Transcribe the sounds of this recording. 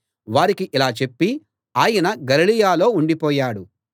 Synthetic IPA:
ʋaːɾikiʔilaːt͡ʃe̞pːi | aːjɐnɐɡɐlilijaːlo̞ːuɳɖipɔːjaːɽu

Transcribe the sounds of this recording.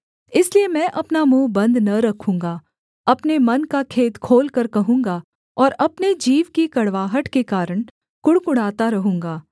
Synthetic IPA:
ɪsliemɛ̃ːʔɐpnamũːbɐ̃nd̪nɐɾɐkʰũːŋɡa | ɐpnemɐnkakʰeːd̪kʰoːlkɐɾkɐɦũːŋɡa | ɔːɾɐpned͡ʒiːʋkikɐɽʋaːɦəʈkekaːɾəɽ̃ | kʊɽkʊɽ̤aːt̪aɾɐɦũːŋɡaː

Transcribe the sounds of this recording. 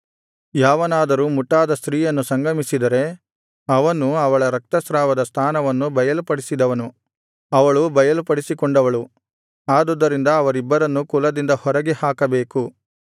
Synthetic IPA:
jaːʋɐnaːd̪ɐɾuːmuʈːaːd̪ɐst̪ɾiːjɐnːusɐŋɡɐmisid̪ɐɾe̞ | ɐʋɐnuɐʋɐɭɐɾɐk̚t̪ɐsɾaːʋɐd̪ɐst̪ʰaːnɐʋɐnːubɐjɐlupɐɽisid̪ɐʋɐnu | ɐʋɐɭubɐjɐlupɐɽisikɔɳɖɐʋɐɭu | aːd̪ɔd̪ːɐɾind̪ɐːʋɐɾibːɐɾɐnːukulɐd̪ind̪ɐhɔɾɐɡehaːkɐbe̞ːku

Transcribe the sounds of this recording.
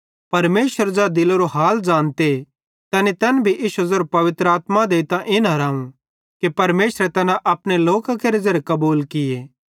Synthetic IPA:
pɐɾmeːʃəɾd͡ʒad̪ɪloɾoɦaːld͡ʒãːnt̪e | t̪ɛnet̪ɛːnbʱiʔɪʃuzoːɾpɐʋɪt̪ɾaːt̪mãd̪eːt̪ãʔɪnɦɐɾaːũ | kipɐɾmeːʃɾɛt̪ɛnãʔɐpneloːkakeːɾed͡ʒɐɾekɐbuːlkɪjeː

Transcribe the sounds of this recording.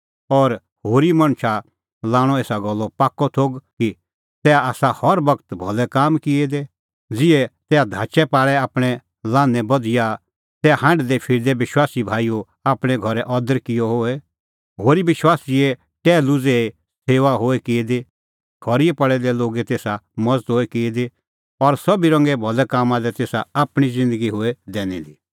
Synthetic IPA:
ɔɾ | hoːɾimɐ̃ɽ̃t͡ʃʰa | laːɽ̃ɔ̃eːsaɡɔlːɔpaːkːɔt̪ʰoːɡki | t̪ɛaaːsahɔɾbɐkt̪bʱɔlɛkaːmkɪed̪ɛ | d͡zɪɛt̪ɛːad̪ʱaːt͡ʃɛpaːɭɛaːpɽ̃ɛ | lãːnɛ̃bɐd̪ɪja | t̪ɛahãːɳɖd̪ɛpʰɪɾd̪ɛbɪʃwaːsibʱaːiu | aːpɽ̃ɛ̃ɡʱɔɾɛʔɔːd̪əɾkɪjɔɦoɛ | ɦoːɾibɪʃwaːsiɛ | ʈɛːlʊd͡zee | seːʋaɦoːɛkied̪e | ɡʰʱɔɾiɛpɐɽɛd̪ɛloːɡet̪eːsamɐd͡zət̪ɦoːɛkɪed̪e | ɔɾsɐbiɾɐ̃ŋɡɛbʱɔlɛkaːmãlɛt̪eːsaaːpɽ̃izɪ̃nd̪əɡiɦoɛd̪ɛːnḭd̪iː

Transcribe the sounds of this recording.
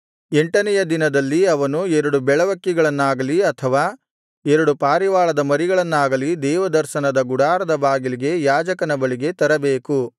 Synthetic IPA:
eɳʈɐnɛjɐd̪inɐd̪ɐlːiɐʋɐnuɛɾɐɽubɛɭɐʋɐkːiɡɐɭɐnːaːɡɐliɐt̪ʰɐʋaː | ɛɾɐɽupaːɾiʋaːɭɐd̪ɐmɐɾiɡɐɭɐnːaːɡɐlid̪ɛːʋɐd̪ɐɾʃɐnɐd̪ɐɡuɽaːɾɐd̪ɐbaːɡiliɡe̞jaːd͡ʒɐkɐnɐbɐɭiɡe̞t̪ɐɾɐbeːku

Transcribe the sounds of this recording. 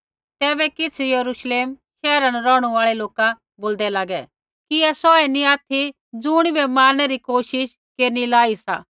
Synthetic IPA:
t̪ɛːbɛkɪt͡sʰjɐɾuʃleːmʃɛːɾanɾɔːɽ̃uaːɭɛloːka | boːld̪ɛlaːɡɛ | kiɛsɔɛnĩaːt̪ʰi | d͡zʊɽ̃ibɛmaːnːɛɾikoːʃɪʃ | keːɾnilaːisa̰ː

